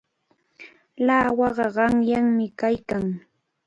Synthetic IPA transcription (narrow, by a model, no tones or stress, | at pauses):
laːwɑɢɑɢɑŋjaŋmɪkajkaŋ